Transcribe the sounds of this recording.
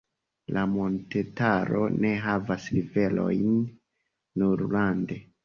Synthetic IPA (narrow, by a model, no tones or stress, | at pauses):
lʔamo̞nte̞taɾo̞̰ne̞ɦavasɾive̞lo̞̰jnː | uɾlande̞